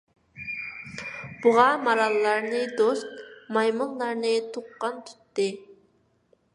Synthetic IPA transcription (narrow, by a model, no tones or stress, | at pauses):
b̥uʁɑmɑɾɑlˠːɑɾnɨd̪ost̪̚mɑjmɨŋlˠɑɾnɨt̪ʰuqːɑnt̪ʰu̥t̪ːɨ